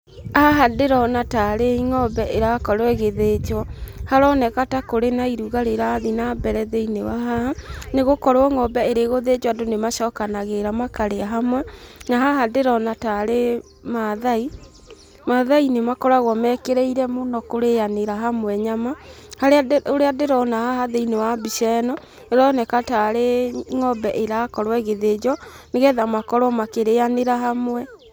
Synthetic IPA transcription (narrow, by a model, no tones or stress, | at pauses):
aɦadeɾɔnataɾeiŋɔbɛʔeɾakɔɾwɛɣeðed͡ʒwɔhaɾɔnɛkatakoɾenaiɾuɣaɾeɾaːðinabɛɾɛðɛinewaɦaaneɣokɔɾwɔŋɔbɛeɾeɣoðed͡ʒwadonemaʃɔːkanaɣeɾamakaɾeaɦamwɛnaɦaɦadeɾɔnataɾe | maðai | maðainemakɔɾaɣwɔmɛkeɾeiɾɛmonɔkoɾejaneɾaɦamwɛɲama | haɾeaoɾeadeɾɔnahahaðeinewabiʃɛnɔ | neɾɔnɛkataɾeŋɔbɛʔeɾakɔɾwɛɣeðed͡ʒɔ | neɣɛðamakɔɾwɔmakeɾeaneɾaɦamwɛ